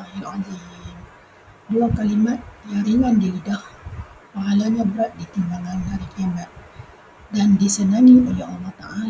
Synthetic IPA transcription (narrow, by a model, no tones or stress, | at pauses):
ahilad͡ʒin | duakalimat̪̚jaɾiŋandiɾidahpaɦalaɲabəɾaʔ̪̚dit̪imbaŋanhaɾikiamat̪̚ | dandisənaŋiʔolɛhɑlːɑht̪a̰ʔal